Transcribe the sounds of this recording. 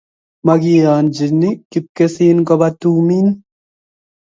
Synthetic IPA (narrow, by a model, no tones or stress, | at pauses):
mɐɡiaːnd͡ʒinikip̚kesiːnkɔbat̪uːmin